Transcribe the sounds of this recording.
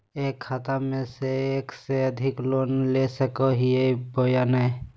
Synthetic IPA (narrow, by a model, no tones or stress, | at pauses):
ekʰːat̪amẽseekseəd̪ʱiklonlesəkəɦiebojanə